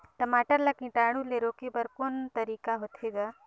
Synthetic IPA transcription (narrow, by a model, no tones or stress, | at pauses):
ʈəmaːʈəɾlakĩʈaːɽ̃ũleɾokibəɾkoːnt̪əɾiːkaɦot̪ʰeːɡaː